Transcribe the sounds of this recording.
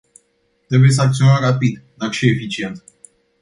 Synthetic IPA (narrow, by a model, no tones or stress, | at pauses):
t̪ɾe̞buje̞s̬əak̚t̪sio̞nəmrapid̪d̪akʃiefit͡ʃie̞nt̪